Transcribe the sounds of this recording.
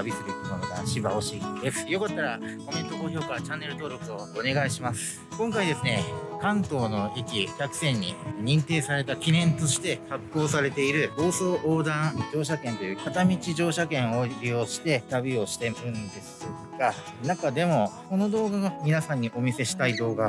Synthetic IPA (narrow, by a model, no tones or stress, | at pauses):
abʲisɨɾɯ̟komonoɡ̪aɕiba̰o̞ɕid̪e̞sɨ̥jo̞kat̪ːaɾako̞me̞nt̪o̞ko̞ːço̞ːkat͡ɕãnːe̞ɾɯ̟t̪o̞ːɾo̞kɯo̞ːne̞ɡaiɕimasɨ̥ | kõ̞ŋkaid̪e̞sɨne̞kãnt̪o̞ːno̞ikʲikʲakɯ̟̥sẽ̞ɲ̟ːḭɲ̟ĩnt̪e̞ːsaɾe̞t̪akʲinẽ̞nt̪o̞ɕi̥t̪e̞hakːo̞ːsaɾe̞t̪e̞iɾɯ̟bo̞ːso̞ːʔoːd̪ãŋd͡ʑo̞ːɕakẽ̞nt̪o̞jɯ̟ːkat̪amʲit͡ɕiʑo̞ːɕakẽ̞ɰ̃o̞ɾʲioːɕi̥t̪e̞t̪abʲio̞ɕi̥t̪e̞ɯ̟̃nd̪e̞sɨɡ̥a | nakad̪e̞mo̞ko̞no̞d̪o̞ːɡaɡamʲinasãɲ̟ːiʔo̞mʲise̞ɕi̥t̪aid̪o̞ːɡa